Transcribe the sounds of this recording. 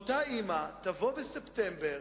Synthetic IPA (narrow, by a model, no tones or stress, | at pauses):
t̪aimatavo̞beseptembe̞ʁ